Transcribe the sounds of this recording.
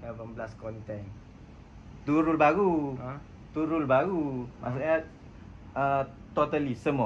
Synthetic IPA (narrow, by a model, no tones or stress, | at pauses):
kavəmbəlaskɔnt̪ɛŋ | t̪uɾulbaɡu | t̪uɾulbaɡumʔa̰saɲa | ət̪ot̪alisəmɔ